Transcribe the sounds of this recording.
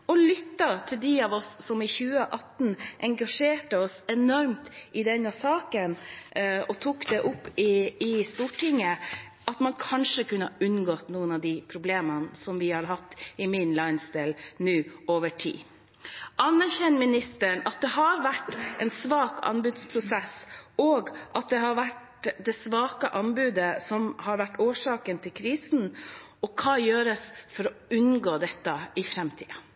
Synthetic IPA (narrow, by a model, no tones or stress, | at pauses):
ɔlʏt̪ːɑt̪ʰɪld̪ɪɑʋɔsːɔmɪçʉːəʔɑt̪nʔɛŋɡɑʂeːʈəɔsɛnɔɾmt̪ʔɪd̪ɛnːəsɑːkən | ɔt̪ʰuːkd̪ɛʔʊpːɪɪst̪uːʈɪŋːə | ʔɑt̪mɑnkʰɑnʂəkʉnːəəʔʉnɡɔːt̪nuːənɑʋd̪ɪpʰɾʊbleːmənsɔmʋɪhɑɾɦɑt̪ːɪmɪnlɑɪnst̪ɛlnʉːoːʋəʈʰḭː | ɑnːæɾçɛnmɪnɪst̪əɳɑt̪̚d̪ɛɦɑɾʋæʈːɛnsʋɑːkʰɑ̰nbʉːd̪spʰɾʊsɛsɔːɡʔɑt̪̚d̪ɛɦɑɾʋæʈ | d̪ɛsʋɑːkəʔɑnbʉːd̪əsɔmhɑɾʋæʈːoːʂɑːkənt̪ʰɪlkʰɾiːsn̩ | ɔkʰɑːjøːɾəsfɔɾɔʉnɡoːd̪ɛt̪ːəɪfɾɛmt̪ʰḭːɑ